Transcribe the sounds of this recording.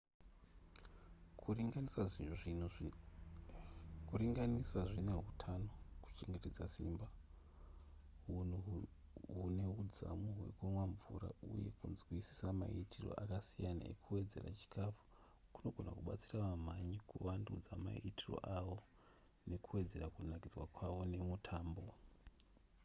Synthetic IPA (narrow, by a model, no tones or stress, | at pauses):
kuɡanisaʐin̤uʐinu | kuɾiŋɡanisaʐine̞ɦutʰano̞ku̥t͡ʃe̞ŋɡe̞te̞d͡zasḭmba | ɦun̤u | ɦune̞ud͡za̰muɦwe̞̰kwemwaɱvṵɾa̰uje̞̰kunzwisi̥sama̰itʰiro̞̰ʔakasijana̰ḛkuwe̞d͡ze̞ra̰t͡ʃi̥kʰafu̥ | kuno̞ɡʱo̞nakuɓat͡siraʋam̤aɲikuwandud͡zama̰itʰiro̞̰ʔawo̞ | ne̞kuwe̞d͡ze̞rakunakid͡zwakwaʋo̞ne̞mutʰaːmbo̞